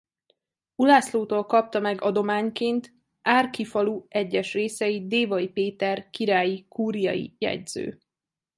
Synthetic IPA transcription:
ulaːsloːt̪oːlkɒp̚t̪ɒmɛɡɒd̪o̞maːɲkeːnt̪ | ʔaːrkifɒluɛɟːɛʃreːsɛjid̪eːvɒjipeːt̪ɛrkiɾaːjikuːɾijɒ̰jḭjɛ̰ɟz̥ø̰ː

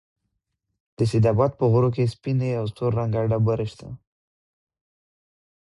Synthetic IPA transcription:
d̪̥əsɪd̪abat̪̚pəɣoɾok̬espineawst̪oɾːaŋɡaɖabəɾeʃt̪ʰa

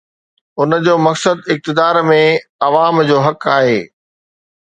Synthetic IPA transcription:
ʊnd͡ʑoːmɐksəd̪ɪk̚t̪ɪd̪aːɾmẽɐʋaːmd͡ʑoːɦɐkaːɦeː

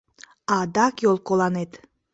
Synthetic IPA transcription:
ad̪ɑkjolˠkolˠanet̪

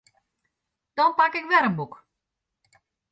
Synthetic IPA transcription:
d̥ɔnpakɪkʋɛɾənbuk

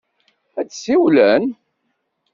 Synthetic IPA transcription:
æt͡sːsiwlæn

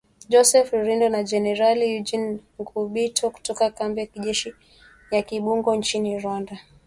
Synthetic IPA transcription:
d͡ʒɔsɛfɾindɔnad͡ʒɛnɛɾalijud͡ʒinŋɡuɓitʰɔku̥tɔkakambiakiʄɛʃi | jakiɓuŋɡɔnt͡ʃiniɾwanda

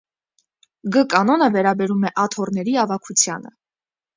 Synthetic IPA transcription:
ɡəkɑnɔnəvɛɾɑbɛɾumɛʔɑt̪ʰɔrnɛɾiɑvɑkʰut͡sʰjɑ̰nə̰

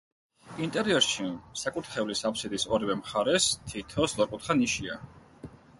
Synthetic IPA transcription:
int̪ʼɛɾiɛɾʃisakʼuɾt̪χɛvlisapʰsid̪isɔɾivɛmχaɾɛst̪ʰit̪ʰɔslˠɔɾkʼut̪χaniʃia̰

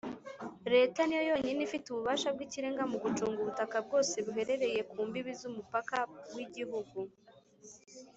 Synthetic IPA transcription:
ɾe̞ːtanijojo̞ːɲinifituβuβaːʃab̚ɡiciɾe̞ːŋɡamuɡut͡ʃuːŋɡuβutakab̚ɡo̞ːse̞βuɦe̞ɾe̞ɾe̞je̞kuːmbiβizumupakawiɟiɦuɡu

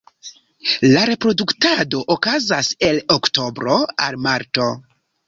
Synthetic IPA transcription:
laɾe̞pɾo̞duktado̞ʔokazase̞lokto̞bɾo̞a̰lmaɾto̞

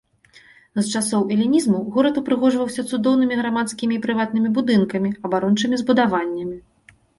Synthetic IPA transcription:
zt͡ʂasɔwʔɛlʲinʲizmuɣɔɾɐt̪upɾɨɣɔʐvɐwsʲɐt̪sud̪ɔwnɨmʲiɣɾamat̪skʲimʲiːpɾɨvat̪̚nɨmʲibud̪ɨnkɐmʲiɐbaɾɔnt͡ʂɨmʲizbud̪avanʲːɐmʲi

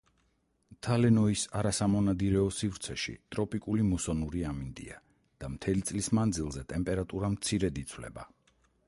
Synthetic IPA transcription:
t̪ʰalɛnɔisaɾasamɔnad̪iɾɛɔsivɾt̪sʰɛʃḭt̪ʼɾɔpʼikʼulimusɔnuɾiamind̪ḭa | d̪̥amt̪ʰɛlit̪sʼlismand̪zilˠzɛt̪ʼɛmpʼɛɾat̪ʼuɾamt̪sʰiɾɛd̪it̪sʰvlɛ̰ba̰

